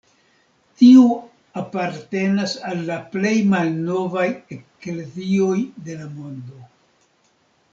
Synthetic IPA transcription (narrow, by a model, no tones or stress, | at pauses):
tiu | apaɾte̞nasalːaple̞jmalno̞vajeklezio̞jde̞lamo̞ndo̞